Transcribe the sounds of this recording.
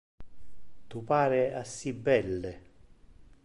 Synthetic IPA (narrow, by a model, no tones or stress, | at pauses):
t̪upaːɾeasːibːɛlːe